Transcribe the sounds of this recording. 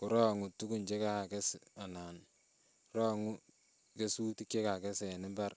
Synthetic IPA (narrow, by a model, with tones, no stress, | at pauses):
ku˨ɾɔː˦ŋu˨tu˦ku˦˨nt͡ʃe˦ka˨kɛ˦sa˨naː˨n | rɔ˦ŋu˦ | ke˦su˦ti˦kt͡ʃe˦ka˨kɛ˦sɛ˨nɪ˦mba˦r